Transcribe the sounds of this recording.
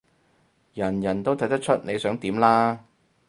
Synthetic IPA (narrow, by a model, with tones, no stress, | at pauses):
jɐ˨˩njɐ˨˩nt̪o˥wt̪ʰjt̪ɐ˥t͡ʃʰɵ˥t̚ne˨˧jsœː˨˥ŋt̪iː˨˥mlaː˥